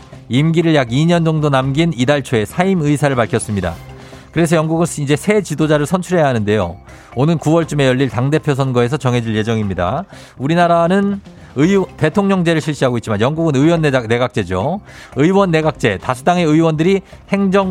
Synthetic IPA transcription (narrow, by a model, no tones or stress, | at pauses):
imɡiɾɯɭjaɡiɲʌnd͡ʑʌŋdonamɡinidaɭt͡ɕʰoe̞sʰaimɯisʰaɾɯɭpaɭkʰjʌs͈ɯmɲida̰ | kɯɾe̞s̬ʰʌjʌŋɡuɡɯnid͡ʑe̞sʰe̞t͡ɕidod͡ʑaɾɯɭsʰʌnt͡ɕʰuɾɦe̞jaɦanɯnde̞jo | onɯnkuwʌɭt͡ɕ͈ume̞jʌɭːiɭtaŋde̞pʰjosʰʌnɡʌe̞s̬ʰʌt͡ɕʌŋɦe̞d͡ʑiɭje̞d͡ʑʌŋimɲida̰ | uɾinaɾanɯn | ɯite̞tʰoŋɲʌŋd͡ʑe̞ɾɯɭɕʰiɭɕ͈iɦaɡoit̚t͡ɕimanjʌŋɡuɡɯnɯiwʌnːne̞ɡak̚t͡ɕ͈e̞d͡ʑoɯiwʌnːe̞ɡak̚t͡ɕ͈e̞tasʰu̥taŋe̞ɯiwʌndɯɾihe̞ŋd͡ʑʌŋ